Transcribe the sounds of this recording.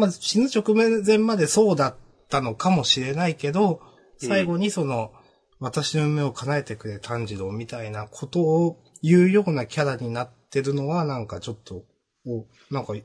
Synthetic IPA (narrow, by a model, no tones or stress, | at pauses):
maɕinɨt͡ɕo̞kɯ̟mẽzẽ̞mːad̪e̞so̞ːd̪at̪ːano̞kamo̞ɕiɾe̞naike̞d̪o̞ | saiɡo̞ɲ̟iso̞no̞ | βat̪aɕino̞ɯ̟me̞o̞kʰanae̞t̪e̞kɯ̟ɾe̞t̪ʰãɲ̟d͡ʑiɾo̞mʲit̪ainakʰo̞t̪o̞ː | jɯ̟ːjo̞ːnakʲaɾaɲ̟inat̪ːe̞ɾɯ̟no̞βanãŋkat͡ɕo̞t̪ːo̞ | o | nãŋka